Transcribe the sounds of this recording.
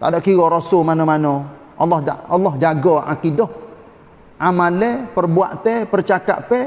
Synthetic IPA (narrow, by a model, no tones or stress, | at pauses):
t̪a̰dɔʔkiɣɔɾɔsolmanɔmanɔ | ʔɔ̰lːɔhɔlːɔhd͡ʒaɡɔa̰kidɔh | ʔamalɛpərbua̰ʔt̪ɛpərt͡ʃaka̰ʔpɛ